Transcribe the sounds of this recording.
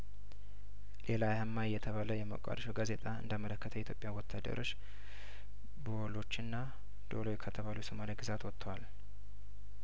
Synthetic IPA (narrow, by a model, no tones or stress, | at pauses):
lʔe̞lajahəmːajːɛt̪ʰəβaləjɛmə̰kʷʼa̰d̪ʃoɡaze̞t̪ʼaɨ̰nd̪əmələkːət̪ʰəɛit̪jo̞pʼjawɔt̪ʰːad̪ə̰ɾʔo̞t͡ʃː | bolo̞t͡ʃːɨnːa | d̪̥o̞̰lojkʰət̪ʰəβalusomaliɡɨzat̪wɔt̪ʰːəwal